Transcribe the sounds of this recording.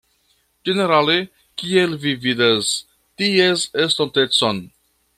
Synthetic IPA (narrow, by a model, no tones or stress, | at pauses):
d͡ʒeneɾale | kielvividas | tiezest̪ontet͡son